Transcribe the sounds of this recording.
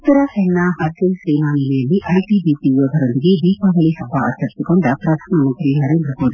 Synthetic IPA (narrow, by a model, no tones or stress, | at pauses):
ut̪ːɐɾɐhɛnːaɦɐɾkelseːnaːnilɛjɐlːiʔɐjʈibiːpijoːd̪ɐɾond̪iɡed̪iːpaːɡɐɭisɐbːa̰ːt͡ʃːɐɾisikoɳɖɐpɾad̪ʱʰaːnɐmɐnt̪ɾinɐɾeːnd̪ɾɐkoːɖi